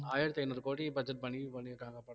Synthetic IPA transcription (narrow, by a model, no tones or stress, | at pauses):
aːjɐɾt̪ɐjnɐɾkoːʈibɐd͡ʒɐʈ̚bɐnibɐnikaːŋɡapɐ